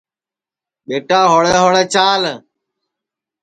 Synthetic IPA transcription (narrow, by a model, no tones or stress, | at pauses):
ɓeːʈaːɦoːɭeːɦoːɭɛːt͡ʃaːl